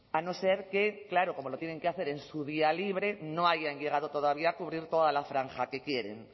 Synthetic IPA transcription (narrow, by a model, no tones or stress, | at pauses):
ano̞se̞ɾke̞klaɾoko̞molo̞t̪jene̞ŋkeaθe̞ɾe̞nsuð̞ialiβ̞ɾe̞no̞aʝaɲʝe̞ɣað̞ot̪o̞ðaβiaːkuβ̞ɾiɾt̪o̞ð̞alafɾaŋxake̞kje̞ɾe̞̰ŋ